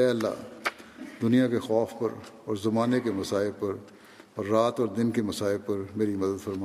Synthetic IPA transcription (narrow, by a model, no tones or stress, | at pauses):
ɛɐlːa̰ | d̪ʊnijakexɔːfpɐɾɔːɾzɐmaːnekemɐsaːɪlpɐɾ | ɔːɾːaːt̪ɔːɾd̪ɪnkemɐsaːɪlpɐɾmeːɾimɐd̪əd̪fɐɾmaː